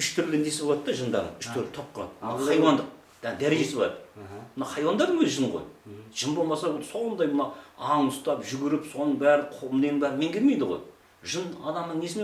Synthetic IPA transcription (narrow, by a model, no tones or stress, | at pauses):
ʏʃt̪ʰʏɾlɪnesɪbolˠɑt̪ːɑʒənd̪ɑ̰ɾʁə̰nʏʃt̪ʰʏɾlɪt̪ʰop̚qʰoɑ̰mnɑɑjwɑnd̪əq̚ | d̪̥æd̪æɾeʒesɪblˠɑt̪mənɑχɑjwɑnd̪ɑɾd̪əɴboʒənʁo̰jʒ̥ənbo̞lˠmɑsɑso̞nd̪ɑjmənɑɑɴʊst̪ɑpʒʏɡʲɪɾɪpso̞nəɴbæɾɪqʰolˠmnenɪbæɾɪnmeŋkʲʰelme̞jd̪əʁo̰j | ʒənɑd̪ɑmnəɴne̞sɪne